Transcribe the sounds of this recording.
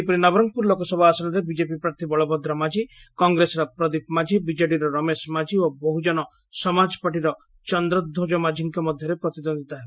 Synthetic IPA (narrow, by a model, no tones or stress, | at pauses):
ipɔɾinɔbɾɔŋpuɾlokɔsɔbʱɔasɔnaɾebid͡ʒepipɾaɾt̪ʰibɔɭɔbʱɔd̪ɾɔmad͡ʒikɔŋɡɾesɔɾɔpɾɔd̪ip̚mad͡ʒʱibid͡ʒaɖiɾɔɾɔmesmad͡ʒiobɔɦud͡ʒɔnɔ | sɔmad͡ʒɔpaʈ̬iɾɔ | t͡ʃɔnd̪ɾɔd̪ʱːod͡ʒɔmad͡ʒʱiŋkɔmɔd̪ʱjɔɾepɾɔt̪id̪ɔnd̪it̪aɦe